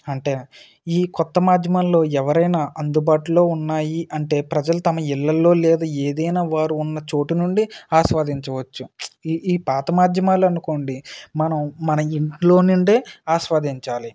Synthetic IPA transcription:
ɐɳʈe̞ː | iːkɔt̪ːɐmaːd̪ʱjɐmallo̞ːɛʋɐɾɐjnaːʔɐnd̪ubaːʈulo̞ːunːaːjiʔɐɳʈe̞ːpɾɐd͡ʒɐlut̪ɐmɐilːɐlo̞ːlɛːd̪aːeːd̪ɐjnaːʋaːɾuːnːɐt͡ʃo̞ːʈinuɳɖiaːʃʋaːd̪iɲt͡ʃɐʋɐt͡ʃːuiːpaːt̪ɐmaːd̪ʱjɐmaːluɐnuko̞ːɳɖimɐnɐmmːɐnɐiɳʈlo̞ːnuɳɖeːaːʃʋaːd̪iɲt͡ʃaːli

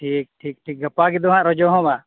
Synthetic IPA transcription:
ʈʰiːk̚ʈʰiːk̚ʈʰiːk̚ɡəpaɡɛd̪ɔɦãʔɾɔd͡ʒɔɦɔ̃ba

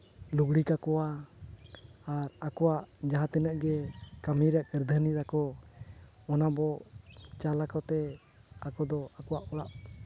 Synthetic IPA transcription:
luɡɽikakɔwa | aɾakɔwaʔd͡ʒaɦãt̪ɛnəʔɡɛkamiɾaʔɡɛɾd̪ʱəniɾakɔ | ɔnabɔt͡ʃalakɔt̪ɛ | akɔd̪ɔakɔwaʔɔɽaʔ

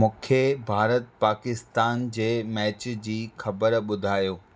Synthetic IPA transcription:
mʊ̃ːkʰebʱaːɾət̪̚paːkɪst̪aːnd͡ʑeːmɛːt͡ɕd͡ʑiːxɐbəɾɓʊd̪ʱaːjoː

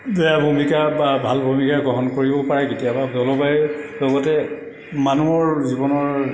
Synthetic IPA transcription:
dɛjabʱumikababʱalbʱumikaɡɔɦɔnkoɹibɔpaɹɛketijababɔlɔbajɛlɔɡɔtɛ | manuɔɹzibɔnɔɹ

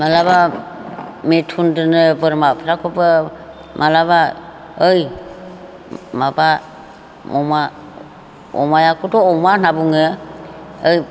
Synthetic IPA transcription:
malaβa | metʰundɯnɯbɯɾmapʰaɾakʰɔpɯ | mʔalaβa | ɯj | maba | ɔma | ɔ̰majakʰɔtɔɔmanabuŋɯ | ɯj

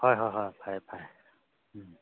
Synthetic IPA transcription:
hɔjɦɔjɦɔjbʱajbʱaj̩

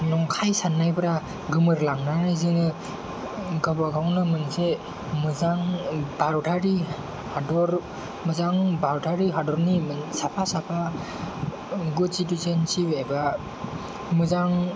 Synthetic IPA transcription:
nɔŋkʰajsanːajbɯɾa | ɡɯmɯɾlaŋnanajzɯnɯ | ɡabaɡawnɯmɯnse | mɯzaŋbaɾtʰaɾi | hadɔɾ | mɯzaŋbaɾtʰaɾiɦadɔɾnimɯnsapʰasapʰa | ɡusitusensipeba | mɯzaŋ

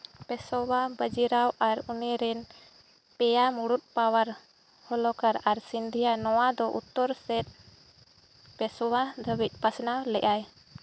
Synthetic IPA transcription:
pɛsɔwabəd͡ʒiɾawʔaɾunɛɾɛn | pɛjamuɽut̪̚pawaɾ | hɔlɔkaɾaɾsind̪ʱijanɔwad̪ɔʔut̪ːɔɾsɛt̪̚ | pɛsɔwad̪əbic̪̚ˀpasnawlɛʔaj

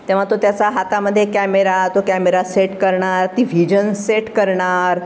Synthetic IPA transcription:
t̪ẽʋ̤at̪ot̪jat͡saɦat̪aməd̪ʱːjekæmeɾat̪okæmeɾaseʈkəɾɳaɾt̪iːʋʱid͡ʑənseʈkəɾɳaɾ

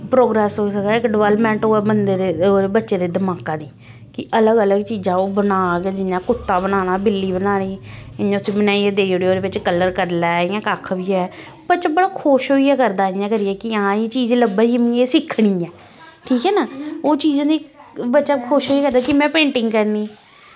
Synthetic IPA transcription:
pɾoːɡɾɛːsɦoːisək̪ːɪkɖəʋɛːlmɛ̃ːɳʈoːɛbənd̪eːd̪eːoːebətːʃeːd̪eːd̪əmaːkãːd̪iː | kɪʔələɡələɡt͡ʃiːzãːoːbənaːɡɛːd͡ʒɪnːãːkʊt̪ːaːbənaːñaːbɪlːiːbənaːniːɪñʊsĩːbənaːiɛːd̪eːoɽeːoːd̪eːʋɪt͡ʃkəlːəɾkəɾlaːɪjãːkaːkʰbiːɛː | bətːʃaːbəɽaːkʰoːʃɦoːiːɛːkəɾd̪aːɪãːkəɾiɛːkɪãːeːt͡ʃiːd͡ʒləbəɾiːmĩeːsɪkʰːɽiːɛː | ʈʰiːkɛːnaːoːt͡ʃiːzãːd̪iːbətːʃaːkʰʊʃɦoːiɛːkəɾd̪aːkɪmɛ̃ːpẽːɳʈɪŋɡkəɾniː

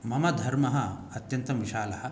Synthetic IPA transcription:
mɐmɐd̪ʱɐɾmɐɦɐɐt̪jɐnt̪ɐʋiʃaːlɐhɐ

